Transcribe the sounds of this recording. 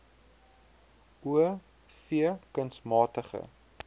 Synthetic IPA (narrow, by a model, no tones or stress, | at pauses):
uə | fiəkənsmɑːtəχə̰